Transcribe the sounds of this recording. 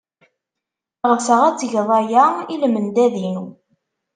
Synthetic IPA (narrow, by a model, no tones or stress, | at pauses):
ʁəfsəʁæt͡sːʝðˤɑjailmənd̪æðinu